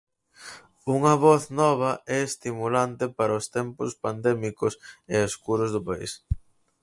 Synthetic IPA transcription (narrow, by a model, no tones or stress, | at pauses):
uŋɐβɔθnɔβɐɛːst̪imulant̪ɪpaɾɐost̪ɛmpʊspand̪ɛmikʊseoskuɾʊzðʊpaḭs